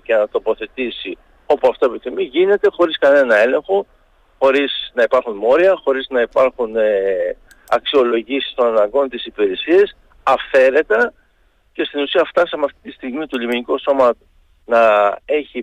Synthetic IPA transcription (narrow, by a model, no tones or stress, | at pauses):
cenɐt̪o̞po̞θe̞t̪isi | o̞puɐft̪oepiθimiʝine̞t̪e̞xo̞ɾiskɐne̞nɐe̞le̞ŋxo̞ | xo̞ɾisnɐipɐɾxunmo̞ɾiɐxo̞ɾiznɐipɐɾxune | ɐksio̞lo̞ʝisi̥st̪o̞nɐnɐŋɡo̞nt̪isipiɾesiɐs | ɐfe̞ɾe̞t̪ɐ | ce̞st̪inusiɐft̪ɐsɐmeɐft̪it̪ist̪iɣmit̪oʎiminiko̞so̞mɐ | nɐe̞çi